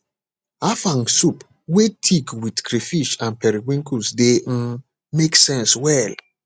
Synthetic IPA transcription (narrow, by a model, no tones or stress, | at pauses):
afãŋsup | wetʰikwidkɾifiʃãnpɛɾiɡwĩŋkʰusde | meksɛ̃nswɛl